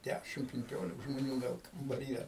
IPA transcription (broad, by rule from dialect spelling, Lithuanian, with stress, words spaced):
ˈdʲæʃʲɪm pʲɪŋʲˈkʲoːlʲɪk ʒmoːˈnʲuː ˈɡɐlˠ kɐmbɐˈrʲiːjɛ